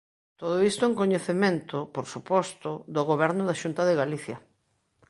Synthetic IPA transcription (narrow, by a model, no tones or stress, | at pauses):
t̪oð̞oist̪ʊeŋkoɲeθemẽnt̪ʊpoɾsupɔst̪ʊðoɣoβɛɾnʊðaʃunt̪ɐðeɣaliθjɐ